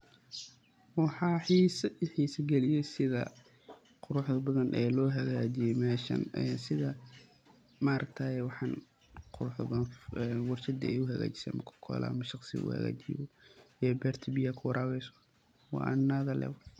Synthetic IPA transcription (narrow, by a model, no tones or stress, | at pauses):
wɑħɑːħiːsɐħiːsɐɡɛlɪjɛsɪðɐ | qʊɾʊħðɐbɐðɐnʔɛːlɔːɦɐɣaːt͡ʃɪjɛmɛːʃɐ̰nɛsɪðɐ | maːɾɐkt̪ʰaːjɛwɑħɑːn | qʰʊɾʊħðɐnɛnwɑrt͡ʃɐd̪ɐ̰ɛjʊɦɐɣa̰ːt͡ʃɪ̥sɛ̰ːmɐkʰʊ̥kʰɔ̰ːlɐ̰ːmɐʃɑqsɪ̰ʔʊ̰hɐ̰ɣa̰ːt͡ʃiβɔɛːbɛrt̪ʰbijɐkʰʊwɑɾʔaːwɛjsɔ̥ | wɑ̰ːʔa̰nːaːðɐlɛ̰w